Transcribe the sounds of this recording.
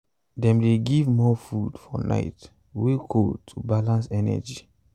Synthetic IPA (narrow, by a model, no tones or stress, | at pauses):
dɛ̃mdeɡivmɔfudfɔ̰na̰ɪt | wekʰotʰubalãnsɛnɛ̰d͡ʒi